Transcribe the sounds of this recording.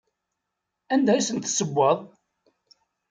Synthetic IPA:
ænd̪æjsənt̪səbːəðˤ

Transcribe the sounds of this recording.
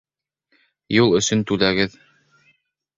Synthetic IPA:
julˠɵ̆sɵnt̪ʉlæɡɘð

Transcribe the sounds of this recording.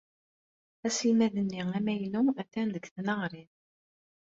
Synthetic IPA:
æsilmæðənːiæmæjnuæθːænðəɡθnəʁɾið

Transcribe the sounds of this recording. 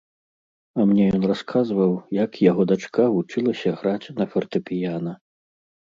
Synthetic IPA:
ɐmnʲɛjɔnraskʰazvɐwjɐkjaɣɔd̪at͡ʂkʰavut͡ʂɨlˠɐsʲɐɣɾat͡sʲnɐfʲɛrt̪ɨpʲijanɐ

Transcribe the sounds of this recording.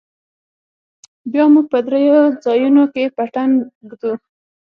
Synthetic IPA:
bjɑmuɡ̚pəd̪ɾejod͡zɑjunokepaʈanɡd̪u

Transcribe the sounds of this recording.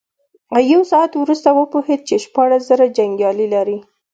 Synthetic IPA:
ajawsɑat̪wɾust̪awəpohed̪̚t͡ʃeʃpɑɽaszaɾad͡ʒaŋɡjɑlilaɾi

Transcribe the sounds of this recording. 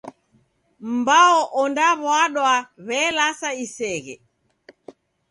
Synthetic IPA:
m̩baɔʔɔndaβwaɗwaβɛlasaisɛɣɛ̰

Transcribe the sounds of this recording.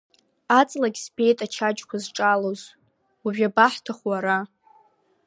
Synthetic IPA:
at͡sʼlaɡʲsbe̞jtʼat͡ʃʰad͡ʒkʷʰazʈ͡ʂʼaloz | uʒᶣabaħtʰaχwaɾa

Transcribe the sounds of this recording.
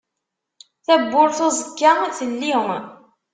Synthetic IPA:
θæbːʊɾθɑzˤəkːaiθəlːiŋ

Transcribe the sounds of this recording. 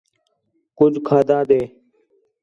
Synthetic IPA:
kʊd͡ʒʱkʰaːd̪ãːd̪eː

